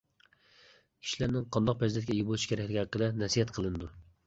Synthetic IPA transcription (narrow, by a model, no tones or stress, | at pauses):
kʲʰi̥ʃilæɾnɪŋqʰɑnd̪ɑq̚pɾɛzd̪ɛt̪̚ʲkʲɛijʲbolˠuʃkʰʲɛɾɛkʲlɪkʲhæqːəd̪ɛnɛsijɛt̪qʰəlˠɨnɨd̪u